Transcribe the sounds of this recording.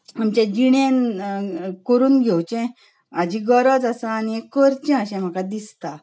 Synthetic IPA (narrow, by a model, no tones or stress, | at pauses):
amt͡ɕẽd͡ʑiɽen | kəɾuːnɡʱewt͡ɕɛ̃ | ad͡ʑiɡəɾəd͡zasaːniekːəɾt͡ɕɛ̃əɕɛ̃m̤akad̪ist̪a